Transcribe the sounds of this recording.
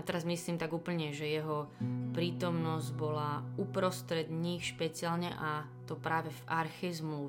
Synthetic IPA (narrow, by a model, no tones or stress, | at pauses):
t̪ɛɾazmisliːmt̪aɡuːpl̩ɲɛʒɛjɛɦɔpɾiːt̪ɔmnɔzɟbɔlaupɾɔst̪ɾɛd̪ɲiːxʃpɛt͡sɪalɲɛʔa | t̪ɔpɾaːʋɛfaɾxɛzmlu